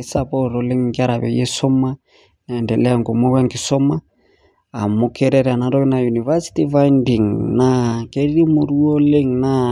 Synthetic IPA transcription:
sapɔ˦ɾɔle˦ŋːɡa˦ɾa˨βɛ̰˨jɛ˦sɔ˦ma˦ | na˨ɛ˨ndɛlɛ˦a˨ŋɡo˨mɔ˦wa˦ŋɡi˨sɔ˦ma˦ | a˨mo˨kʰɛ˦ɾɛɾɛ˨a˨na˨dɔ˦kɛ˦na˨ju˨ni˨va˦si̥ti˦fajndi˨ŋnakɛ˦ɾi˦ɾi˦mo˨ɾu˦ɔ˦le˦ŋna

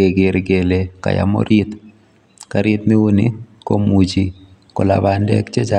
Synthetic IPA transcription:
e˨ɡɪ˨ɾɡe˨le˨ka̰˨ja̰˨mo̰˦ɾɪ˦t̪ | ka˨ɾɪ˦t̪mi˦u˦nḭ˦ko˦mu˨t͡ʃi˦kʊ˨la˨ba˨ndɛ̰˦kt͡ʃe˦t͡ʃa

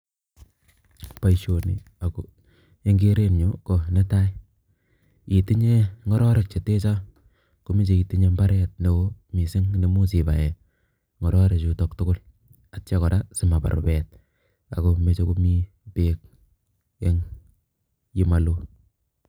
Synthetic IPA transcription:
pa˨iʃo˨nḭ˨ | a˨ko˨ | e˦ŋɡe˦ɾe˦mɲo˦kɔ˨ne˦ta˦j | i˨ti˦ɲe˦ŋɔ˦ɾɔ˦ɾe˨k̚t͡ʃe˨te˦t͡ʃa˦ | ko˨mi˦t͡ʃe˨i˨ti˦ɲe˦mba˦ɾɛ˦t̚ne˨wo˦mi˨sɪ˦ŋne˨mu˦si˨ba̰˨jɛ˨ | ŋɔ˨ɾɔ˦ɾe˨t͡ʃu˨to˨ktʊ˦ɡʊ˦l | a˨tt͡ʃa˦kɔ˨ɾa˦sɪ˨ma˨pa̰˨ɾo̰˨bɛ˨t̚ | a̰˨ko˨me˦t͡ʃe˦ko˦mi˦ | pe˦k̚ | e˦ŋ | ji˦ma˨lo˦

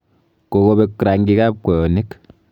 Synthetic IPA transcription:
ko˨ko˦be˦kɾa˨ŋɡi˦ka˦p̚kɔ˨jɔ˨ni˦k

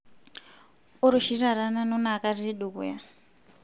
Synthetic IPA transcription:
u˦ɾo˨ʃi˦ɾa˨ɾana˦nɔ˦na˨ka˦rie˦ɗu˨kṵ˨ja˦

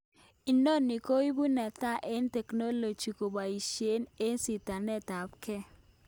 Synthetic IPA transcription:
i˨no˦˨ni˨ko˦i˦bu˦nɛ˨t̪a˦˨ʔe˦ntɛ˨kno˦lo˨d͡ʒi˨ko˨ba˨i˨ʃe˦ne˦nsi˨ta˨nɛ˦ta˨p̚kɛ˦

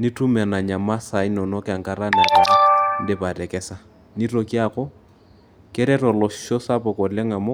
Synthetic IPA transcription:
ni˦tu˦mɛ˨na˨ɲa˨ma˦sa˨ɪ˦nɔ˨nɔ˦ka˨ŋka˦ɾa˦na˨ka˨˦n̩˦dɪ˨pa˨dɛ˨kɛ˦sa˦ | ni˦ro˨ki˦a˦kɔ˦ | kɪ˦ɾɛ˦rɔ˨lɔ˨ʃʃɔ˦sa˦pɔ˨kɔ˨lɛ˦ŋa˨mɔ˦

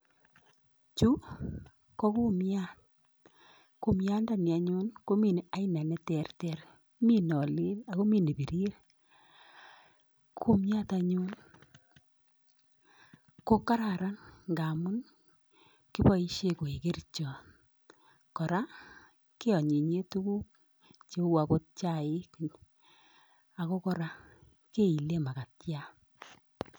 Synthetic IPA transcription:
t͡ʃu˦ | kɔ˦ku˦mja˦t̚ | ko˦mja˦nda˦˨ni˨a˨ɲo˦nko˦mi˨n˨a˦i˦na˨nɛ˦tɛ˨rtɛr | mi˦nɔ˨lɪ˦la˨ko˦mi˦˨ni˨bi˨ɾi˦ɾ | kʰu˦mja˦ta˨ɲo˦n | ko˦ka˦ɾa˨ɾa˦nŋɡa˨mʊ˦n | ki˦pɔ˦i˦ʃe˦ko˨e˨ke˦rt͡ʃɔ˨ | kɔ˨ɾa˦ | ke˦ɔ˨ɲe˨ɲe˦tu˦ku˦k̚ | t͡ʃe˦wa˨ko˦t̚t͡ʃa˦˨ɪ˦k | a˨ko˦kɔ˦ɾa˦ | ke˦i˨le˦ma˨ka˨tja˦

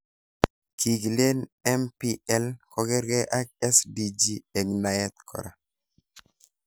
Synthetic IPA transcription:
kʰi˨ɡle˦nɛ˦mpi˦ɛ˦lkɔ˦ɡɛ˦ɾɡɛ˦ʔa˦k̚ɛ˦sdi˦d͡ʒi˦e˨ŋna˨jɛ˦t̪̚kʰɔ̰˨ɾa̰˨

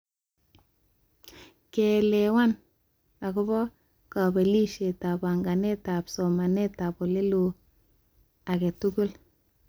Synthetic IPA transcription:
ke˨le˨wa˦n | a˨ku˦bɔ˦ | ka˨be˨li˦ʃe˨ta˨ba˨ŋɡa˨ne˦ta˨pso˨ma˨ne˦ta˨po˨le˦lu˨ | a˨ke˨tu˦ku˦l

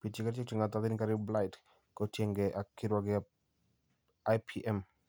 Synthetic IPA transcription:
pi˨ti˦kaɾt͡ʃe˦t͡ʃi˨ŋa˨t̪aðɪ˦nka˦ɾɪbla˦ɪt | kɔtje˨ŋɡɛʔa˨kɪ˦ɾwaɡɪ | ajpʰiʔɛ˦m

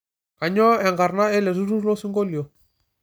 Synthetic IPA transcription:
a˨ɲɔ˦ɛ˨ŋɡa˨ɾna˦ɛ˦le˨ɾu˦ɾu˦ɾlo˦su˦ŋɡo˦li˨o˨

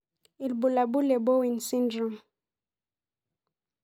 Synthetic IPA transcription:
i˨lbu˨la˨bu˦le˨bo˦wi˨nsi˦ndɾɔ˨m

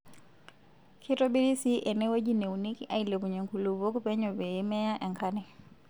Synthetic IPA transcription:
kʰi˦tɔbi˦ɾi˦siʔɛ˨nɛ˦we˦d͡ʒi˦ne˨uni˦ki˦ʔa˨ilɛ˨βu˨ɲe˨ŋku˨lu˨βo˦ku˦pɛ˦ɲɔ˨βɛː˨˦mɛ˦a˦ʔa˨ŋkʰanɛ˨

